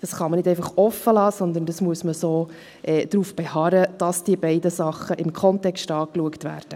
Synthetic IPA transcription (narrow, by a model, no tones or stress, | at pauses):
d̥ɑsχɑmənɪdɛɪfɑχɔfəlɑːsɔnd̪əndɑsmuəsməsoː | ʔɛːd̥ɾuːfb̥ɛhɑɾəd̥ɑsd̥iəbɛɪdəsɑχəʔɪmkʰχɔntɛkstɑːkluəktvʋæ̰ːrd̥ə